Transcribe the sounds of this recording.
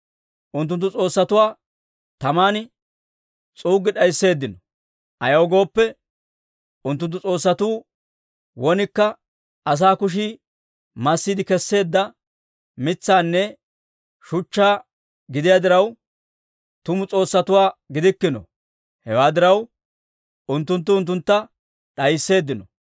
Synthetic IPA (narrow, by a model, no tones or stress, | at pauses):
ʔʊnt̪ːʊnt̪ːʊt͡sʼo̞ːsːɐt̪ʊwaː | t̪ɐmaːnɪ | t͡sʼuːɡɪɗɐjsːe̞ːd̪ːɪnɔ | ʔɐjɐɔɡo̞ːpːɛ | ʊnt̪̬ːʊnt̪̬ːʊt͡sʼo̞ːsːɐt̪uː | wɔnɪkːɐ | ɐs̬aːkʊʃ̬i | mɐsːiːd̪ɪkɛsːe̞ːd̪ːɐ | mɪt͡sːaːnːɛ | ʃʊt͡ʃːaː | ɡɪd̪ɪjaːd̪ɪɾɐw | t̪ʊmʊt͡sʼo̞ːsːɐt̪ʊwaːɡɪd̪ɪkːɪnɔ̰ | hɛwaːd̪ɪɾɐw | ʊnt̪ːʊnt̪̬ːʊʊnt̪̬ːʊnt̪ːɐ | ɗɐjsːe̞ːd̪ːɪnɔ